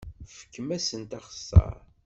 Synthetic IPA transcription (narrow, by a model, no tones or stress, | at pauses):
fə̥kːəmæsənt̪ɑχə̥sːə̰ɾ